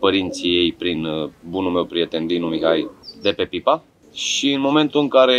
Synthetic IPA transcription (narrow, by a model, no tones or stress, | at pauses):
pəɾint̪sije̞jpɾinbunulme̞wpɾije̞t̪e̞nd̪inumiɦajd̪e̞pe̞pipa | ʃiɨnmo̞me̞nt̪ulɨŋkaɾe̞